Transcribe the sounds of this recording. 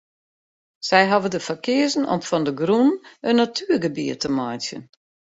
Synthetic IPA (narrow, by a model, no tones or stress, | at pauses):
sɛjɦɔvədəfakɪəzənɔ̰mfɔndəɡrunənːatʰyəɡəbiətəmɔjtjə̰n